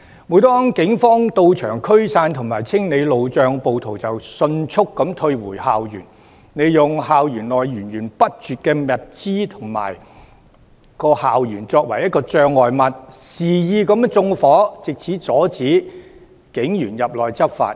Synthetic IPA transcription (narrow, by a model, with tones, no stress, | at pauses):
muː˨˥t̪ɔː˥ŋkɪ˨˥ŋfɔː˥ŋt̪o˧wt͡ʃʰœː˨˩ŋkʰɵ˥ɥsaː˧nt̪ʰʊ˨˩ŋmaː˨˩jt͡sʰɪ˥ŋne˨˧jlo˨wt͡sœː˨˧ŋpo˨wt̪ʰo˨˩wt͡sɐ˨wsɵ˧nt͡sʰʊ˥kːɐ˨˧˥mt̪ʰɵ˧ɥwuː˨˩haː˨wjy̰ː˨˩n | ne˨˧jjʊ˨ŋɦaː˨wjyː˨˩nlɔː˨jːyː˨˩nɥyː˨˩npɐ˥t̚t͡syː˨t̚kɛː˧mɐ˨t̚t͡siː˥t̪ʰʊ˨˩ŋma̰ː˨˩j | kɔː˧haː˨wjyː˨˩nt͡sɔː˧k̚wɐ̰˨˩jɐ˥t̚kɔː˧t͡sœː˧ŋːɔː˨jmɐ˨t̚siː˨˩jiː˨˧kɐ˨˧˥mt͡sʊ˧ŋfɔː˨˥t͡sɪ˨k̚t͡sʰiː˨˥t͡sɔː˨˥t͡siː˨˥ | kɪ˨˥ŋjyː˨˩njɐ˨p̚lɔː˨jt͡sɐ˥p̚fa̰ː˧t̚